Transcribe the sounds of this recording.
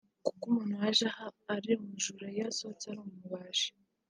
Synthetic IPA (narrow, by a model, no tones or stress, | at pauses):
kukumun̥uwaʒahaːɾimuʒuɾajasot͡saɾumumuβaːʃi̥